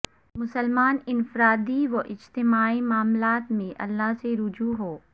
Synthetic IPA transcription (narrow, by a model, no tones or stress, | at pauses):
mʊsəlmaːnɪnfɾaːd̪iʋoʔɪd͡ʒt̪ɪmaːimaːmlaːt̪mẽʔɐ̰lːaɦseɾʊd͡ʒuːɦoː